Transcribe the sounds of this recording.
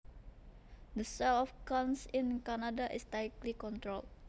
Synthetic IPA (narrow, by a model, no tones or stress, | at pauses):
d̪əsalɔfkãnsĩnkanadaʔɪ̰st̪ajklikɔ̃nt̪ɾol